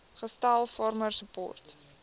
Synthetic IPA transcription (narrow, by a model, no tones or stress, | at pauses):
χəstɐlˠfɑrmərsəpɔ̰rt